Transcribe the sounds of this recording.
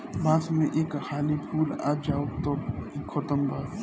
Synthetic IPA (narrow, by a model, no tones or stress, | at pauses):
baːsmẽʔeːkhaːlipʰuːla̰ːd͡ʒaːot̪okʰɔt̪əmbaː